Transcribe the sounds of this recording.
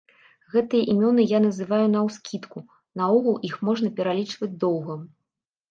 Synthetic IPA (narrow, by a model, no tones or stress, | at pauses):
ɣɛt̪ɨjɐʔimʲɔnɨjanɐzɨvajun̪ɐwskʲit̪ku | nɐɔɣɐlˠixmɔʐnɐpʲɛɾalʲit͡ʂvɐd͡zʲd̪ɔwɣɐ